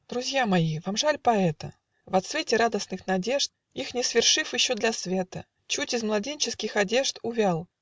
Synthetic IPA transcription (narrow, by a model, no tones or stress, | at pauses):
d̪̥ɾʊzʲjamɐivamʐalʲpɐɛt̪ə | vɐt̪svʲetʲɪɾad̪əsnɨxnɐdʲe̞ʐt̪̚ | ixnʲɪsvʲɪrʂɨfjɪɕːod̪lʲɐsvʲe̞t̪ə | t͡ɕutʲɪzmlˠɐdʲenʲt͡ɕɪskʲɪxɐdʲe̞ʐt̪ʊvʲalˠ